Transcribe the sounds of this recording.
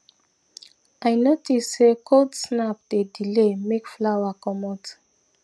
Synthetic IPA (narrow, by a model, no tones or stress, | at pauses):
ajnotissekʰodsnap̚dedilemekflawakɔmɔt